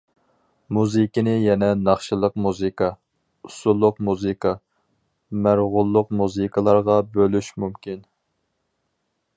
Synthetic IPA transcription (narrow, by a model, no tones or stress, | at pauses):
muzɨkʲinɪjɛnɛnɑχʃɨlˠəq̚muzɨkʰɑ | usulˠːʊqmuzɨkʰɑ | mæɾʁʊlˠːʊq̚muzɨkʰəlˠɑɾʁɑbølyʃmumkʲin